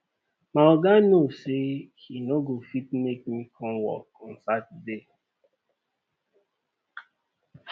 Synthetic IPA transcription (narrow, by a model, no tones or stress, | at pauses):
maɔɡanosehinoɡofit̚mek̚mikʰɔ̃mwɔ̰kɔ̃nsat̚de